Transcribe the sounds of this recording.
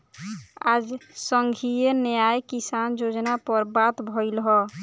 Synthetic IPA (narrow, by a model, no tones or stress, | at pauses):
a̰d͡ʒsəŋɡʱijenejajkisand͡ʒod͡ʒnapəɾbat̪bʱɔɪlɦɔ